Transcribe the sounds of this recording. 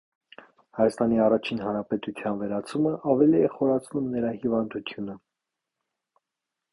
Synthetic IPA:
hɑjɑst̪ɑniɑrɑt͡ʃʰinɦɑnɾɑpɛt̪ut̪ʰjɑnvɛɾɑt͡sʰuməʔɑvɛliɛχɔɾɑt͡sʰnumnəɾɑhivɑnd̪ut̪ʰjunə

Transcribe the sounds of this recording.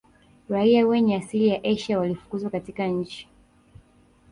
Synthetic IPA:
ɾaiawɛɲɛasilijaʔɛʃawalifu̥kuzwakatikaɲ̩t͡ʃi̥

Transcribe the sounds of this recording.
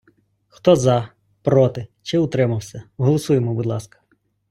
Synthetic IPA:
xt̪ɔzɐ | pɾɔt̪ɪt͡ʃɪʊt̪ɾɪmɐwsʲɐɔɦɔlˠɔsujemɔbud̪lˠɑskɐ̥

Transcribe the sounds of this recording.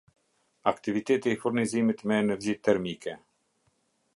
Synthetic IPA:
akt̪ivit̪ɛt̪iːfuɾnizimit̪mɛːnɛɾd͡ʑit̪ɛɾmikʰɛ

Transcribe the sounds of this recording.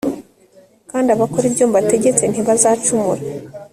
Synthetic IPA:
kaːndiaβako̞ɾibjoːmbate̞ɟe̞t͡se̞n̥hiβazaːt͡ʃumuɾa

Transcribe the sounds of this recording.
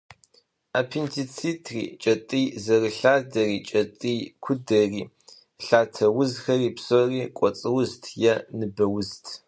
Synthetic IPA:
aːpʰintʰit͡sʰitʰrḭːt͡ʃʼɐtʼijzɐrɨɬaːdɐriːt͡ʃʼɐtʼiːkʷʰʊdɐriː | ɬaːtʰɐwʊzxɐriːpsɔriːkʷʼɔt͡sʼɨwʊztʰjɛnɨbɐwʊztʰ

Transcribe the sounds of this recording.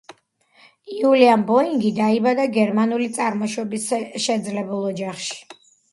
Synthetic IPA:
iuliambɔiŋɡid̪aibad̪aɡɛɾmanulit̪sʼaɾmɔʃwɔbisʃɛd̪zlɛbulˠɔd͡ʒaχʃi̥

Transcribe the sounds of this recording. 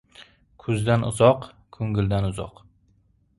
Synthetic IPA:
kʰʊzd̪anʊ̰zɒq | kʰʊŋɡʲɪld̪anʊzɒ̰q

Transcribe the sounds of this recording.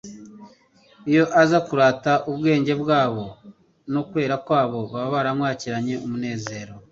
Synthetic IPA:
ijo̞ʔazakuɾaːtaʔubɡe̞ːɲɟe̞bɡaːβo̞ | nokwe̞ːɾakwaːβo̞βaβaβaɾamŋwaːciɾaɲe̞umune̞ːze̞ːɾo

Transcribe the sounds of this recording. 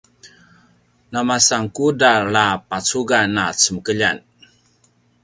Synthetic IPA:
namasaŋkudalapat͡suɡanat͡səməkəʎa̰n

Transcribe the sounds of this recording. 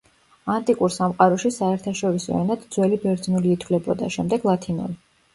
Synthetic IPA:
ant̪ʼikʼuɾsamqʼaɾɔʃisaɛɾt̪ʰaʃɔɾisɔ̰ɛ̰nad̪d̪zwɛlibɛɾd̪znuliːt̪ʰwlɛbɔd̪aʃɛmd̪ɛɡlˠat̪ʰinṵli

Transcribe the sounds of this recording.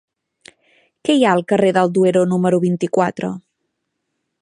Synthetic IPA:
kɛjaəlˠkəreðəlˠd̪ueɾonuməɾuβint̪ikwat̪ɾə̰

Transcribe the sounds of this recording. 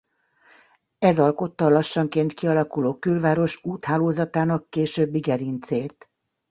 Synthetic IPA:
ɛzɒlko̞t̪ːɒlɒʃːɒŋkeːnt̪kiɒlɒkuloːkylvaːɾo̞ʃuːt̪haːloːzɒt̪aːnɒkːeːʃøbːiɡɛɾint̪seːlt̪

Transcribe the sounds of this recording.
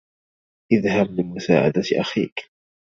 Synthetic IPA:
ʔɪðhablɪmʊsa̰ːʕa̰d̪at̪ʔa̰xiːk

